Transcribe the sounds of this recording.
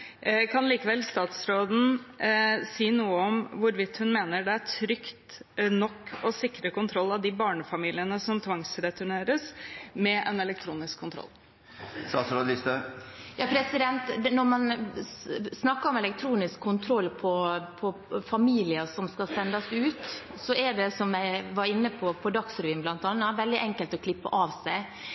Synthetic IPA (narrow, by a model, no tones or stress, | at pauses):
kʰɑnliːkəʋɛlːst̪ɑːt̪sɾoːd̪n̩ | siːnuːəɔmʋʊɾʋɪt̪ːhʉnmeːnəɖɛæʈʰɾʏkt̪nɔkːɔsɪkːɾəkʊnt̪ʰɾɔlːɑʋd̪ɪbɑːɳəfɑmiːlɪənəsɔmt̪ʰʋɑŋsɾɛt̪ʉɳeːɾəsmɛʔɛnɛlɛk̚t̪ʰɾuːnɪskʰːʊnt̪ɾɔ̰lː | st̪ɑ̰ːt̪sɾoːd̪list̪əjɑːpʰɾɛsɪd̪ɛnt̪nɔɾmɑn | snɑkːɑɾɔmɛlɛk̚t̪ʰɾuːnɪskʰːʊnt̪ʰɾɔlːpʰɔpʰɔfɑmiːlɪəsɔmskɑlsɛnd̪ɑsʉːt̪ | sɔʔɛɖɛsɔmjæɪʋɑɾɪnːəpʰɔpʰɔd̪ɑksɾʋiːnblɑnt̪ɑnːɑʋɛld̪ɪʔɛŋkəlt̪ɔkʰlɪpːə̰ʔɑʋsæɪ